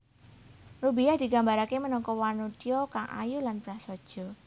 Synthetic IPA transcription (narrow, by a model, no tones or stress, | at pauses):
rubijahd̪̥iɡa̤mbaɾakemənɔŋkɔwanut̪iɔkaŋʔa̰julanbɾahsɔd̥ʒ̥ɔ̤